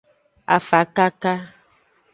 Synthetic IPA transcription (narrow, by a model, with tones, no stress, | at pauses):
a̰˨fa˨ka˦ka˦